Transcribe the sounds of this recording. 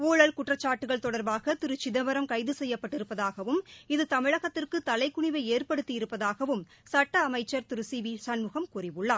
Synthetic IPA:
uːɭɐlkʊʈrɐt͡ʃːaːʈːɯɣɐɭt̪ɔɽɐɾbaːɣɐt̪ɪɾɯt͡ʃːɪðɐʋɐɾɐmkɐɪðɯsɛjːɐpːɐʈːɪɾɯpːɐðaːɣɐʋɯmɪðɯt̪ɐmɪɻɐɣɐt̪ːɪrkɯt̪ɐlɐɪkːʊɳɪʋɐɪeːrpɐɽɯt̪ːijɪɾɯpːɐðaːɣɐʋɯm | sɐʈːɐːmɐɪt͡ʃːɐɾt̪ɪɾɯsiːʋisɐnmɯɣɐmkʊrɪʋɯɭːaː

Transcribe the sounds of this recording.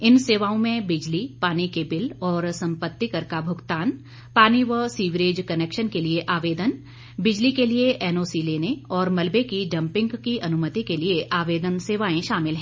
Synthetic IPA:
ɪnseːʋaːõmẽbɪd͡ʒlipaːnikebɪlɔːɾsɐ̃mpət̪ːikɐɾkabʱʊɡt̪aːn | paːniʋəsiːʋɾeːd͡ʒkɐneːkʃənkelieʔaːʋeːd̪ən | bɪd͡ʒlikelieʔɛːnoːsileːneɔːɾmɐlbekiɖɐ̃mpɪ̃ŋɡkiʔɐnʊmət̪ikelieʔaːʋeːd̪ənseːʋaːẽʃaːmɪlɦɛ̃ː

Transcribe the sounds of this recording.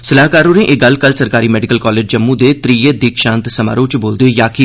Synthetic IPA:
səlaːɦkaːɾõːɾẽʔeɡɐlkəlsɐɾkaːɾiːmɛːɖɪkəlkɔːleːd͡ʒd͡ʒɐmːũd̪et̪ɾijed̪ɪkʃãːnt̪sɐma̰ːɾoːt͡ʃboːld̪ejaːki

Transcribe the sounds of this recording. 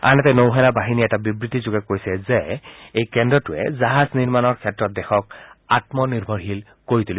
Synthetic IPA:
a̰nɛtɛnowɦɛnabaɦiniɛtabibɹitizʊɡɛkojsɛzɛejkɛndɹɔtʊɛ̰zaɦazniɹmanɔɹkʰɛtɹɔt̚dɛxɔk̚atmɔniɹbʱɔɹɦil | koɹit̪uli

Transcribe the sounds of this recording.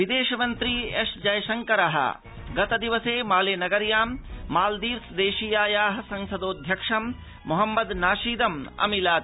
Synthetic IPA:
ʋid̪eːʃɐmɐnt̪ɾieʂd͡ʒɐjʃɐŋkɐɾɐɦɐ̰ | ɡɐt̪ɐd̪iʋɐseːmaːleːnɐɡɐɾjaːmːaːld̪iːɾsd̪eːʃijaːjaːɦɐsɐŋsɐd̪oːd̪ʱjɐkʂɐmː | ɔɦɐmːɐd̪naːʃiːd̪ɐmɐ̰milaː

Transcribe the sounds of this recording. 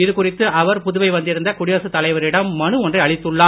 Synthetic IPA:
ɪðɯkʊrɪt̪ːɯʔɐʋɐɾpʊðʊʋɐɪʋɐnd̪ɪɾɯnd̪ɐkʊɽɪjɐːsɯt̪ːɐlɐɪʋɐɾɪɽɐmːɐnɯɔndrɐɐɭɪt̪ːɯɭːaː

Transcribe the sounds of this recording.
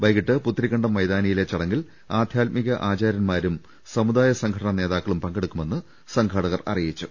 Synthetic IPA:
ʋɐjɣiʈːɨput̪ːrikːɐɳɖɐmːɐjðaːnɐjile̞t͡ɕːɐɽɐŋɡil | aːd̪ʱjaːt̪̚miɣɐʔaːt͡ɕaːɾjɐnmaːɾum | sɐmud̪aːjɐsɐŋɡʱɐʈɐɳɐne̞ːðaːkːɐɭumpɐŋɡe̞ɽukːume̞nːɨ | sɐŋɡʰʱɐɽɐɣɐrɐ̰rijit͡ɕːu

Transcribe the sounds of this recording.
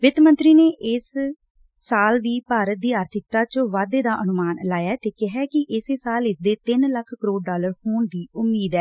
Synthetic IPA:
ʋɪt̪mənt̪ɾiːneːʔɪs | saːlʋiːpaːɾət̪̚d̪iːaːɾt̪ʰɪk̚t̪aːt͡ʃʋaːd̪eːd̪aːʔənʊmaːnlaːjaːt̪eːkɪɦɛːkɪʔɪsesaːlɪsd̪eːt̪ɪnləkʰkəɾoːɖːaːləɾhoːɳd̪iːʊmːiːd̪ɛː

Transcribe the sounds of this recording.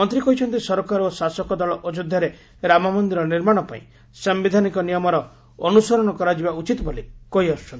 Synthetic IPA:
ɔnt̪ɾikɔɦjt͡ʃʰɔnt̪isɔɾɔkaɾosasɔkɔd̪ɔɭɔʔɔd͡ʒud̪ʱːaɾe | ɾamamɔnd̪iɾɔniɾmaɽ̃ɔpa̰ḭ̃ | sɔmbid̪ʱanikɔnijɔmɔɾɔ | ɔnusɔɾɔɽ̃ɔkɔɾad͡ʒibaut͡ʃit̪ɔbolekojɔst͡ʃʰɔn

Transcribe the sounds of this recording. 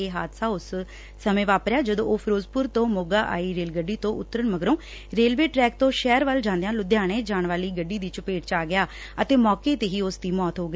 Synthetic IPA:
eːɦa̰ːd̪saːʊsː | əmẽːʋaːpɾɪjaːd͡ʒəd̪õːʔoːpʰɾoːzpʊɾt̪õːmoːɡaːʔa̰ːiːɾeːlɡəɖːiːt̪õːʔʊt̪ːəɾəɳməɡɾõː | ɾeːlʋeːʈɾɛːk̚t̪õːʃɛːɾʋəld͡ʒãːnd̪ejãːlʊd̪jaːɽ̃eːd͡ʒaːɳʋaːliːɡəɖiːd̪iːt͡ʃʊpeːʈt͡ʃaːɡɪjaː | ət̪eːmɔːkeːt̪eːɦiːʊsd̪iːmɔːt̪ɦoːɡiː

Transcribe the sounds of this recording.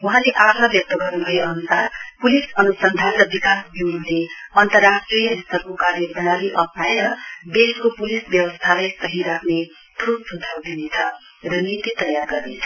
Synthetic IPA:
uɦãleʔatʰʌbjʌk̚t̪ʌɡʌrnubʱʌeʌnusarpulisʌnusʌnd̪ʱanrʌbikasbiwnuleʌnt̪ʌrːasʈrijʌist̪ʌkokarjʌbʌñaliʔʌp̚ʰnajɾʌbeskopulisbjʌwʌst̪ʰalajsʌɦiɾakʰne | ʈʰubsud̪ʱawd̪inet͡sʰʌ | rʌnit̪it̪ʌjarɡʌrnḛt͡sʰʌ

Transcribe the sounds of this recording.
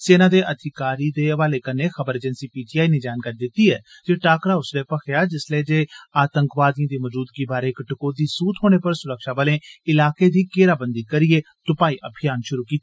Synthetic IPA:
seːnãːd̪eːʔəd̪ʱɪkaːɾiːd̪eːʋaːleːkəneːxəbəɾeːd͡ʒənsiːpiːʈiːaːiːneːd͡ʒaːnkaːɾiːd̪ɪt̪ːiːɛ̰ː | d͡ʒeːʈaːkɾaːʊsʋeːpəkʰeaːd͡ʒɪsleːd͡ʒeːaːt̪əŋkʋaːd̪ijãːd̪iːməd͡ʒuːd̪ɡiːbaːɾeːkʈəkoːd̪iːsuːt̪ʰɦoːɽ̃eːpəɾsʊɾəkʃaːbaːlẽːɪlaːkeːd̪iːkeːɾaːbənd̪iːkəɾiːeː | t̪ʊpaːiːʔəbʱɪjaːnʃʊɾuːkiːt̪ːa

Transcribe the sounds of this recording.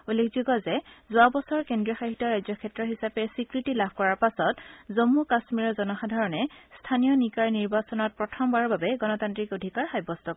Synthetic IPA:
ulːekʰzuɡɔzɛzʊabɔsɔɹkendɹiɔxaɦitɔɹajzɔkʰɛtɹɔɦisapɛsikɹitilabʱkɔɹaɹpasɔtzomːukasmiɹɔzɔnɔxadʱaɹɔnɛstʰanijɔnikaɹniɹbasɔnɔt̚pɹɔtʰɔmbaɹɔbabɛɡɔnɔtantɹikodʱikaɹxajbɔstɔ

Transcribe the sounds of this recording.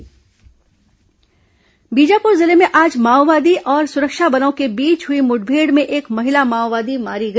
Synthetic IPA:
biːd͡ʒapʊɾzɪlemẽʔaːd͡ʒmaːwʋaːd̪iʔɔːɾsʊɾəkʃabɐnaõkebiːt͡ʃɦʊimʊʈ̚bʱeːɽmẽʔeːkmɐɦɪlamaːwʋaːd̪imaːɾiɡɐ

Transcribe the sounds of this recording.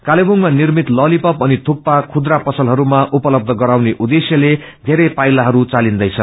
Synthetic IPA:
kalebʱuŋmanirmit̪lʌlipʌpʌnit̪ʰopːakʰud̪rapʌsʌlɦʌɾumaʔupʌlʌb̚d̪ʱʌɡʌɾawneʔud̪esjʌle | d̪ʱeɾʌjpajlaɦʌɾut͡salind̪ʌjt͡sʰʌ

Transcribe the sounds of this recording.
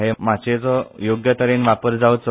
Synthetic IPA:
ɦemat͡ɕed͡zɔjoɡjət̪əɾenʋapəɾd͡zaət̪s

